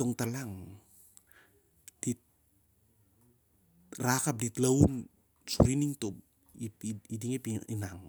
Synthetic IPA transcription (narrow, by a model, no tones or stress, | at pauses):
oŋtalaŋ | d̥it̚ | rakap̚ditlaun | sṵɾiniŋtop | ipidiŋepiinaŋ